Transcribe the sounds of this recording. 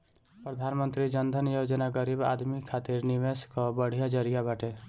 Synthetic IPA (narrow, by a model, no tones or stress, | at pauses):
pɾəd̪ʱaːnmənt̪ɾid͡ʒənd̪ʱənjod͡ʒnaɡəɾiba̰ːd̪mikʰat̪iɾniʋeskɔbəɽ̤ijad͡ʒəɾijabaʈe